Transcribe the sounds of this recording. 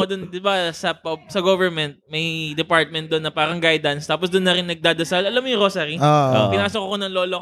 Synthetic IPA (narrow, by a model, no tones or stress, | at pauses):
od̪ʊnd̪ɪbasɐpɐsɐɡovɛɹmɛnt̪̚mɐjd̪ɛpaɹt̪̚mɛnt̪d̪onːɐpaːɾɐŋɡajd̪ɐnst̪aːpos̬d̪ʊnːɐɾɪnːɐɡ̚d̪aːd̪ɐsalʔɐlamːojʊɾosaɾia̰ɐŋpɪnaːsokokonɐŋloːlo